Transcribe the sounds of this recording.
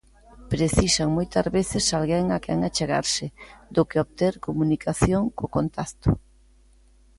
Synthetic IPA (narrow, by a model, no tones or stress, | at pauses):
pɾeθisaŋmojt̪azβeθɪsalɣɛŋakɛ̰ŋat͡ʃeɣa̰ɾsɪd̪ʊkɪoβt̪eɾkomunikaθjoŋkokont̪ast̪ʊ